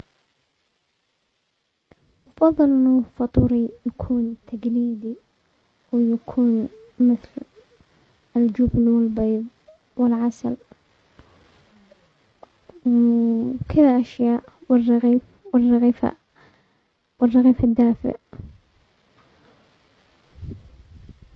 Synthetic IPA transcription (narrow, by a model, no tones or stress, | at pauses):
ɑfɑðˤːɨlʔɪnːufɑt̪ˤuːɾijakʰuːnt̪ʰaɡliːd̪i | wjakʰuːn | mɪθl | ɪld͡ʒubnuɪlbeːðˤ | wɪlʕasa̰l | kɪlʔaʃjaːʔwɪrːɑɣiːf | wɪrːɑɣiːfa̰ | wɪrːɑɣiːfad̪ːaːfɪ̰ʕ